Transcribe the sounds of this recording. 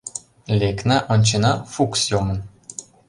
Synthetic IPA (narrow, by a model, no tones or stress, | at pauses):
lʲeknaʔonʲt͡ʃinafuksjomən